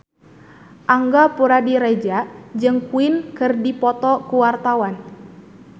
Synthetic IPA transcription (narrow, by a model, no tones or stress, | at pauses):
ʔaŋɡapuɾadiɾɛd͡ʒaʔd͡ʒɨŋkuɪnkɨrdipɔt̪ɔkuwart̪awan